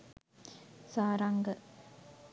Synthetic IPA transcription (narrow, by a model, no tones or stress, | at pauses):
saːɾaŋɡə